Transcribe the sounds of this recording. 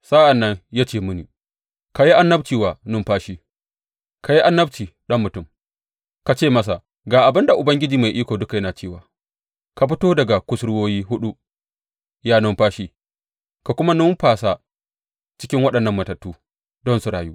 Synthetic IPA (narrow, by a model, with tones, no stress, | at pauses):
sa˦ʔa˨nːɐ˦ɲja˦t͡ʃeː˦˨mʊ˦niː˨ | ka˨ji˦ʔa˦nːɐ˦bt͡ʃiː˨waː˨nʊ˦mɸaː˦ʃiː˦ | ka˨ji˦ʔa˦nːɐ˦b̚t͡ʃiː˨ɗɐ˦mːʊ˨tʊ˦˨m | ka˨t͡ʃeː˦˨mɐ˦s̬a˨ | ɡaː˨ʔa˨bɪ˦nda˨ʔʊ˨bɐ˦ŋɡʲɪ˦d͡ʒiː˨ma˨jʔiː˦kʷoː˨dʊ˦ka˨jɐ˦naː˨t͡ʃeː˦˨waː˨ | ka˨ɸ̬ɪ˦toː˦dɐ˨ɡa˨kʷʊ˦sɽʊ˦woː˦jiː˦hʊ˦ɗu˦ | jaː˦nʊ˦mɸaː˦ʃiː˦ | ka˨kʷʊ˦ma˦nʊ˦mɸaː˨sa˦ | t͡ʃɪ̥˦kʲɪ˦ŋwɐ˦ɗɐ˨nːɐ˦mːɐ˨tɐ˨tːuː˦ | dɔ˦nsu˨ɽaː˨juː˦